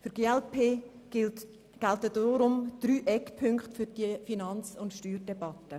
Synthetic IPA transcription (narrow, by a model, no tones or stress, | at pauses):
fʏɾɡeːɛlpʰe̥ː | ɡ̥ɛltəd̥ɔɾʊmd̥ɾyːʔɛkpʰʏŋkχtfyɾd̥iəfinɑnt͡sʊntʃtyːɾdɛbɑtːə